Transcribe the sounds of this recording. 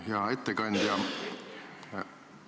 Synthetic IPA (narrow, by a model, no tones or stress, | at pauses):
jɑet̪ːekɑnʲd̪̥jɑ